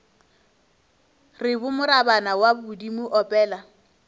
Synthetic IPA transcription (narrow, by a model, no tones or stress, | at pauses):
rɪbʊmʊɾabanawabʊdimʊʔɔpʼɛːla